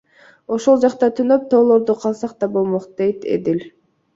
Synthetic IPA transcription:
o̞ʃo̞lˠd͡ʒɑqt̪ɑt̪ʰynøp̚t̪ʰo̞ːlˠo̞ɾd̪uqʰɑlˠsɑq̚t̪ɑbolˠmo̞qd̪̥e̞jt̪ḛd̪ilʲ

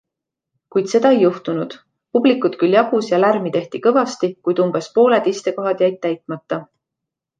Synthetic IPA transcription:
kujd̪̥se̞d̪ɑejːuht̪unud̪̥ | pub̥likːˑut̪kyljɑɡ̥usjɑlærmit̪e̞ht̪ikɤvɑst̪ikujd̪umb̥e̞spo̞ːle̞d̪ist̪e̞ko̞ɦɑd̪̥jæjt̪̚ːæjt̪ˑmɑt̪ːˑɑ

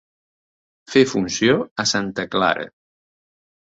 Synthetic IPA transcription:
fefunsioəsant̪əkla̰ɾə̰

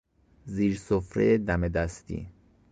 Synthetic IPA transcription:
ziːɾsofɾḛjed̪æmed̪æst̪ḭ

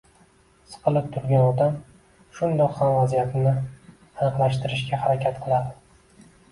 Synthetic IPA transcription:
sɨ̥qʰɨlˠɪp̚t̪ʰʊɾɡʲanɒd̪am | ʃʊnd̪ɒqhamvazijat̪ʰɪnɪ | anɨqlˠaʃt̪ɪɾɪʃɡʲahaɾakʲʰat̪qʰɨlˠad̪ɪ

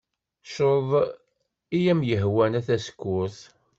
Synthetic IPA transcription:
ʃoðˤ | ijæmjəɦwænæθæsə̥kːʊθ

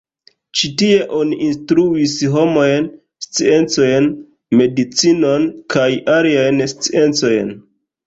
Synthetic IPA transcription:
t͡ʃitie̞ʔoniʔinstɾuisɦo̞mo̞jn | st͡sie̞nt͡so̞jn | me̞dit͡sino̞nkʰajaliajnst͡sie̞nt͡so̞jn

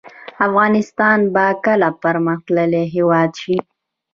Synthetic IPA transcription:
afɣɑnɪst̪ɑnbakəlapəɾməxt̪ləleɦewɑd̪ʃi

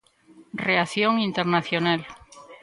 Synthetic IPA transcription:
reaθjoŋint̪eɾnaθjonal

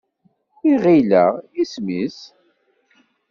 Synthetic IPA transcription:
iʁilæ̰ʁismis

